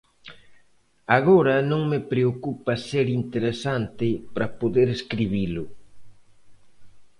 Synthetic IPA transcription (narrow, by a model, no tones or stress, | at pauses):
aɣoɾɐnõŋmɪpɾeokupɐseɾint̪eɾesant̪ɪpɾɐpoðeɾeskɾiβ̞ilʊ